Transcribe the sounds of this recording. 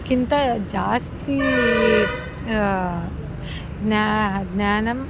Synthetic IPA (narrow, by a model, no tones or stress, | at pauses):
kint̪ɐd͡ʒaːst̪i | nadnaːnɐm